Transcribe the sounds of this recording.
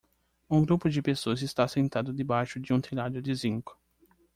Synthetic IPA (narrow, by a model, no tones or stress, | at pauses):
ũɡɾupʊd͡ʒɪpesoɐzɪst̪asẽnt̪ad̪ʊd̪ɪbajʃʊd͡ʒɪũt̪ʰilad̪ʊd͡ʒɪzĩŋkʊ̥